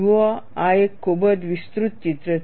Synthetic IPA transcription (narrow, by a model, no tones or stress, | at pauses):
ʋɔaekʰːobəd̪ʋist̪ɾut̪̚t͡ɕit̪ɾə